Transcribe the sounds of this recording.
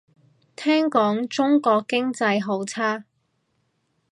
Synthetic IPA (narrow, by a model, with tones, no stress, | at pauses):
t̪ʰɛː˥ŋkɔː˨˥ŋt͡sʊ˥ŋkɔː˧kːɪ˥ŋt͡sɐ˧jɦo˨˥wt͡sʰaː˥